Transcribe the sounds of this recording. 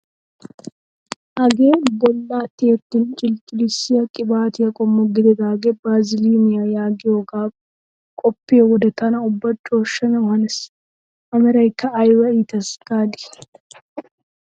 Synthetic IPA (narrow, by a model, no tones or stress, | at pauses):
ʔɐɡeːbɔlːaːt̪ːeːt̪ːɪnt͡ʃʼɪlt͡ʃʼɪlɪsɪjɐkʼɪbaːt̪ɪjɐkʼɔmːɔɡɪd̪ɛd̪aːɡebaːzɪliːmɪjajaːɡɪjoɡaːf | kʼɔpːeːwɔd̪ɐt̪ɐnɐʊbːɐt͡ʃʼːoɔʃːɐnɐhɐnɪs | ʔɐmɛɾɐɪkːɐːjwɐiːt̪ɐsɡ̥aːd̪ɪ̥